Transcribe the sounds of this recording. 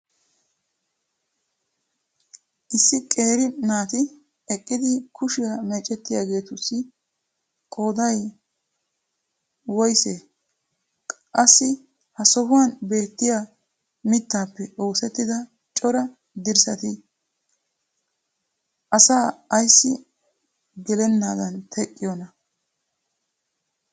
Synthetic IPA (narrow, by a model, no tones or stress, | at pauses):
ʔɪsːɪkʼe̞ːɾɪnaːt̪ɪ | ɛkʼːɪd̪ɪkʰʊʃɪjɐmɛt͡ʃʼːɛt̪ːɪjaːɡe̞ːt̪ʊsːɪ | kʼo̞ːd̪ɐj | wɔjseː | ɐsːɪ | hɐsɔhʊwanbe̞ːt̪ːɪja | mɪt̪ːaːpːɛoːsɛt̪ːɪd̪ɐ | t͡ʃʼɔɾɐ | d̪ɪɾsɐt̪ɪ | ʔɐsaːɐjsːɪ | ɡɛlɛnːaːd̪ɐnt̪ʰɛkʼːɪjɔnɐ